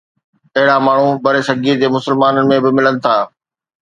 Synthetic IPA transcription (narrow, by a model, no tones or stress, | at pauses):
ɐɦɪɽamaːɳ̤ũbɐɾesɐɡiːd͡ʑeːmʊsəlmaːnənɪ̆mẽbɪmɪlənɪ̆t̪ʰaː